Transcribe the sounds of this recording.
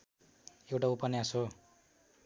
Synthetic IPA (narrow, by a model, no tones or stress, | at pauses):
ewʈaupʌnjaso